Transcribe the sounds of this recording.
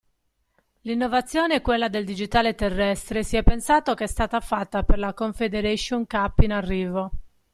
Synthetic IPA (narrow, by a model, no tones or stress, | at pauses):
linːovat̪sːjɔːneɛkːwelːad̪eld̪id͡ʒit̪aːlet̪erːɛst̪ɾesiɛpːensaːt̪okeɛst̪aːt̪afat̪ːaperlakoɱfed̪eɾeʃoŋkapːinarːiːvo